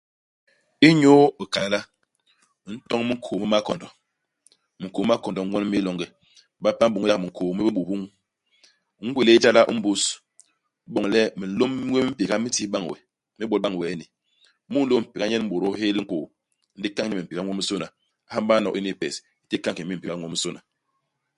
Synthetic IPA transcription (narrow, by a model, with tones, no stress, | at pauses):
i˦ɲo˦i˨ka˨la˦la˦ | n̩˦tɔ˦ŋ˦mi˦ŋ̩˦kʰo˨mi˦ma˦kɔ̰˨ndɔ˨ | mi˨ŋko˨m˦m˦a˦kɔ˨ndɔ˨˦wɔ˦n˦mi˦lo˦ŋɡɛ˨˦ | ba˦pa˦m˦ɓu˨ŋ˦a˦˨mi˨ŋ̩˨ko˨˦mi˦bi˦ɓu˨bu˦ŋ˦ | ŋ̩˦ɡʷwe˦˨le˦d͡ʒa˦la˦ʔṵ˦m̩˦bu˦s | ɓɔ˨ŋ˨lɛ˦mi˨n̩˦lo˦m˦ŋʷ˦e˦mi˦m̩˦pi˨ɣa˦mi˦ti˦ɓa˦ŋ˨wɛ̰˨ | mi˦ɓɔ˨˦ɓa˦ŋ˨wɛ˨˦ni˨˦ | mu˦n̩˦lo˦˨m̩˨pi˨ka˦ɲɛ˦n˦m̩˦bo˨ɾo˦he˦lŋ̩˦ko˨ | n̩˦di˦ka˦ŋɲi˦mi˨pi˨ka˦ŋʷ˦o˦mi˦so˦na˨˦ | ha˦m˦ba˦nɔ˨i˦ni˦˨pɛ̰˨s | i˦ti˦ka˦ŋ˨ki˨˦mi˦m̩˨pi˨a˦ŋʷ˦o˦mi˦so˦na˨